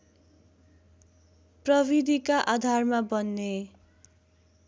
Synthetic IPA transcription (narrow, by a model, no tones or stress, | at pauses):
prʌbid̪ʱikaʔad̪ʱarmabʌnːe